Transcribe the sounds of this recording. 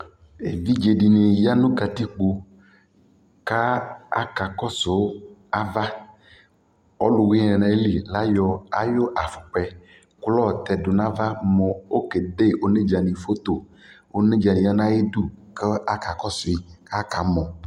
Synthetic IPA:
e˨vi˦d͡ʒe˨ɖi˨nĩ˨ja˦nũ˦ka˨t̪i˦k͡po˨ | ka˦a̰˦ka˨kɔ˦so˨wo˦a˦va˦ | ɔ˦lu˨wi˦ɛ˨nã˨˦li˨la˦jɔ˦a˨jo˦ʔa˨fu̥˨k͡pɛ˨ | klɔ˦˨t̪ɛ˨dʊ˨nã˦va˦mɔ̃˨o˦ke˨de˦ʔo˨ne˦d͡ʒa˨nĩ˨fo˦t̪o˨ | o˦nẽ˦d͡ʒa˨nĩ˨ja˦nã˦je˦du˦ke˦a˦ka˨kɔ˦si˨˦ka˦ka˨˦mɔ̃˨

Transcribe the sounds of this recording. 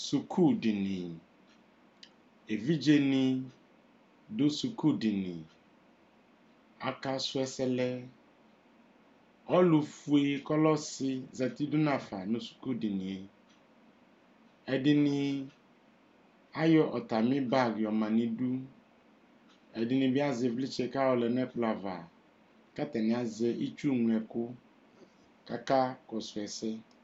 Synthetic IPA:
su˨kʰu˦˨dɪ˨nɪ̃˨ | e˨vi˦d͡ʒe˦nɪ̃˨ | dʊ˦su˨kʰu˦dɪ˨nɪ̃˨ | a˨ka˦sʊ˦ɛ˦sɛ˦lɛ˦ | ɔ˦lu˨fu˨e˦kɔ˦lɔ˦sɪ˦za˨ti˦du˦nã˨fa˨nʊ̃˨˦su̥˨ku˦˨dɪ˨nĩ˨ | ɛ˨dɪ˨nɪ̃˦ | a˦jɔ˦ʔɔ˨ta˨mɪ̃˦ba˦˨ɡjɔ˨mã˨nɪ̃˨du˦ | ɛ˨dɪ˨nɪ̃˨bɪ˦a˦zɪ˨vlɪ˦t͡ʃɛ˨ka˦wɔ˨lɛ˨n˦ɛ˦k͡pla˨va˨ | ka˦t̪ɛ˨nɪ̃˨a˨zɛ˨ʔi˦t͡ʃu˦ŋʷ˨ɛ˨kʊ˦ | ka˦ka˦kɔ˨sʊ˨ɛ˨sɛ˦

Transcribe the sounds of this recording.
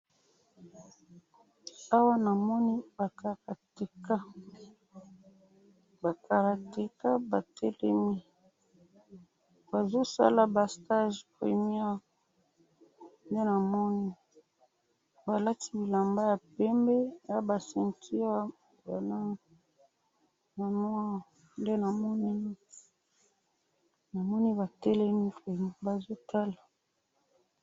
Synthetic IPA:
a˦wa˦na˨mɔ˦ni˦ba˨kʰa˨ka˨te˨ka˦ | ba˨ka˨ka˨te˨ka˦ba˨tʰɛ˦lɛ˦mi˦ | ba˨zo˦sa̰˦la˨ba˨sta˦ʒpʁḭ˨mjɛ˦ | nde˦na˨mɔ˦ni˦ | ba˨la˦ti˦bi˨la˨mba˦ja˨pɛ˦mbe˦ja˦ba˨sɛ˨ntʰi˦a˦ | ba˨la˦ŋ | na˨mɔ˦a˦˨ | nde˦na˨mɔ˦ni˦ | na˨mɔ˦ni˦ba˨tɛ˦lɛ˦mi˦pe˨mi˨ba˨zo˦tʰa˦la˨

